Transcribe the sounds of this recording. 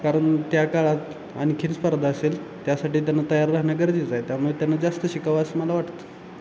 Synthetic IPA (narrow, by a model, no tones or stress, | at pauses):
kaɾəɳt̪jakaɭat̪ | aɽ̃ikʰinspəɾd̪ʱaːsel | t̪jasaʈiːt̪janːat̪əjaɾːaɦɳjakəɾd͡ʑiːd͡zajt̪jamət̪janːad͡zast̪əɕikaʋəsəməlaʋaʈt̪o̥